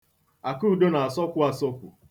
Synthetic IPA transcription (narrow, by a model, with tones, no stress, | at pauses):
a˨ku˦˨do˦na˨a˨sɔ˦kʷʊ˦a˦sɔ˦kʷʊ̰˨